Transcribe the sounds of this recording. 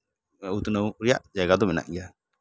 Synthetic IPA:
ut̪nəwɾija̰ʔd͡ʒaɡad̪ɔmɛna̰ʔɡɛja

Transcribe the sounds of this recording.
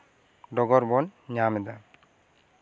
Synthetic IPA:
ɖɔɡɔɾbɔnɲamɛd̪a

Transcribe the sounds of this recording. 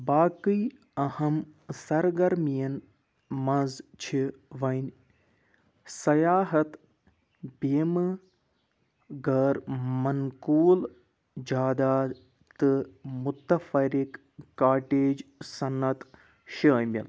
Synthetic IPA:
baːkiː | ɐhɐmsɐɾɡɐɾmijɐn | mɐ̃nzt͡ʃʰiʋɐnʲ | sɐjaːɦɐt̪ | beːm | ɡɐɾmɐnkuːl | d͡ʒaːd̪aː | t̪ɨmut̪ɐfɐɾikː | aːʈeːd͡ʒsɐnːɐt̪ | ʃɐːmʲɐ̰l

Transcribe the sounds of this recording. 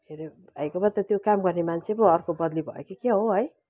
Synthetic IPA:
eɾibʱʌjkobʌt̪ʌt̪jokamɡʌrnemant͡sʰebʌʌrkobʌd̪libʱʌ̰ḛkekeɦoɦʌj

